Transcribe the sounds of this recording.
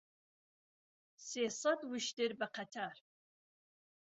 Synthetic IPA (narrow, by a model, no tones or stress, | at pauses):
seːsɐdwʊʃdɪrbɐqʰɐtʰaːr